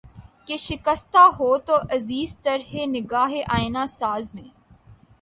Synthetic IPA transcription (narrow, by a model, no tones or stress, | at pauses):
keʃɪkəst̪aɦoːt̪oːʔɐziːzt̪ɐɾɦenɪɡaːɦeʔaːɪnasaːzmẽː